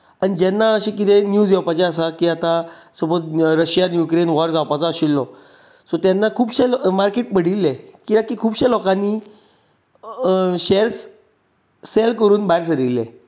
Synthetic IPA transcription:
aɽid͡ʑɛnːaəɕẽkit̪ʰẽnjuːd͡zjɔpat͡ɕeəsakiːat̪asəbəɾəɕjanjukɾenʋɔɾd͡zawpat͡sɔəɕilːɔ | sɔt̪janːakʰuːbɕelmaɾkeʈ̚pəɽilːekiakikʰuːbɕelɔkãnːi | ɕeɾsː | elkəɾuːnbajɾsəɾilːḛ̃

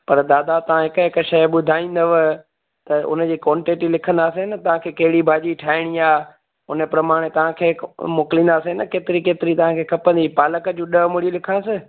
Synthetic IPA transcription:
pɐɾd̪aːd̪at̪ɐʋ̤ãɦɪkəɦɪkʃɐjɓʊd̪ʱaːĩːn̆d̪əʋ | t̪ɐʊ̰nə̆d͡ʑiːkɔːɳʈeːʈilɪkʰə̃nd̪aːsenɐt̪ɐʋ̤ãkʰeːkɐɦɪɽibʱaːd͡ʑiʈʰaːɪɽ̃iaː | ʊnəpɾɐmaːɽ̃et̪ɐʋ̤ãkʰeːmʊkɪlĩːnd̪aːsenɐkeːt̪ɪɾikeːt̪ɪɾit̪ɐʋãkʰeːkʰɐpə̃nd̪ipaːləkəd͡ʑũːɗɐmʊɽilɪkʰãsɪ

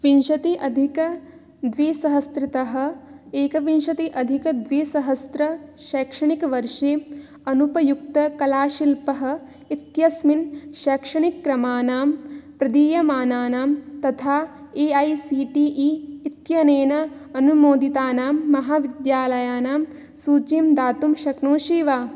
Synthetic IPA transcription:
ʋinʃɐt̪iʔɐd̪ʱikɐ | d̪ʋiːsɐɦɐst̪ɾɪt̪ɐɦɐ̆eːkɐʋinʃɐt̪iʔɐd̪ʱikɐd̪ʋiːsɐɦɐst̪ɾɐʃɐːkʂɐɳikɐʋɐɾʂeː | ɐnupɐjukt̪ɐkɐlaːʃilpɐɦɐ̆ | it̪jɐsminʃɐːkʂɐɳikːɾɐmaːnaːmpɾɐd̪iːjɐmaːnaːnaːmt̪ɐt̪ʰaː | eːɐjsiːʈiːʔiːt̪jɐneːnɐ | ɐnumoːd̪it̪aːnaːmːɐɦaːʋid̪jaːlɐjaːnaːm | suːt͡ʃimd̪aːt̪umʃɐknoːʃiːʋaː

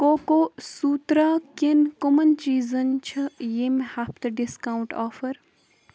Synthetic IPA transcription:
koːkoːsuːt̪ɾaːkinkomɐnt͡ʃiːzɐnt͡ʃʰɐjemhap̚t̪ɐɖiskaːwuɳʈaːfɐɾ

